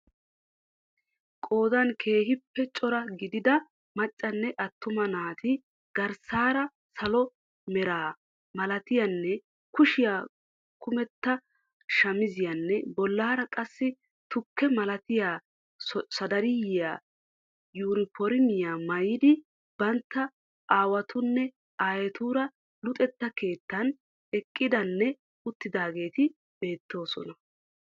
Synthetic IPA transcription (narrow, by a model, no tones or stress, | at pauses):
kʼo̞ːd̪ɐnkʰe̞ːhɪpːɛt͡ʃʼɔɾɐɡɪd̪ɪd̪ɐ | mɐt͡ʃʼːɐnːɛʔɐt̪ːʊmɐnaːt̪ʰɪ | ɡ̥ɐɾsaːɾɐ | sɐlɔ | mɛɾaː | mɐlɐt̪ɪjɐnːɛ | kʊʃɪjaː | kʰʊmɛt̪ːɐ | ʃɐmɪzɪjɐnːɛbɔlːaːɾɐkʼɐsːɪ | t̪ʊkːɛmɐlɐt̪ɪjaː | sɐd̪ɐɾɪjɪjaː | juːɾɪpɔɾɪmɪjaːmɐjɪd̪ɪ | b̥ɐnt̪ːɐ | aːwɐt̪ʊnːɛ | aːjɛt̪uːɾɐ | lʊt̪ʼɛt̪ːɐke̞ːt̪ːɐn | ɛkʼːɪd̪ɐnːɛ | ʊt̪ːɪd̪aːɡe̞ːt̪ɪ | b̥e̞ːt̪ːo̞ːsɔ̰nɐ